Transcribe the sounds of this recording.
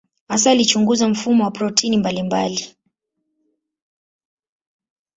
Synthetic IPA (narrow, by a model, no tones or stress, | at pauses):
asaːlit͡ʃuŋɡuzam̩fumɔwapɾɔtʰinimbalimba̰li